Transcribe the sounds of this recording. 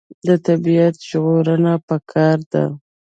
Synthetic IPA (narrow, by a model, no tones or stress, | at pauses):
d̪ət̪abiat̪ʒɣoɾənapəkʰɑɾd̪a̰